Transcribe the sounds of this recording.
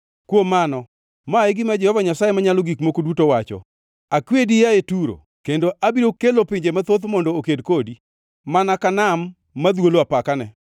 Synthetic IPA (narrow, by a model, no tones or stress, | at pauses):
kwomːanɔ | maeɡɪmad͡ʒɛhɔvaɲasajemaɲaloɡikmokodwutowat͡ʃɔ̰ | akwedijaetuɾo̰ | kendoʔabiɾokelopɪɲd͡ʒemat̪ot̪mɔndookedkodi | manakanamː | ad̪woloapakanɛ